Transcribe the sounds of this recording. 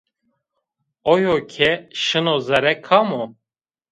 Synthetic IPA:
ojokʰɛʃɨnozɛɾɛkʰamo

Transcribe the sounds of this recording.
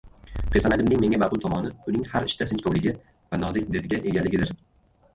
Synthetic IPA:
qʰesanad̪ɪmnɪŋme̞ŋʲamaqʊlˠt̪ʰɒmɒnɪʊnɪŋhaɾɪʃt̪asɪnt͡ʃkʰowlɪɡʲɪ | vanɒzɪk̚ʲd̪et̪ɡʲaʔe̞ɡʲalːɪɡʲɪd̪ɪɾ

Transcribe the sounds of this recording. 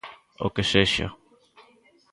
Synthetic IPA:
o̰keseʃa̰

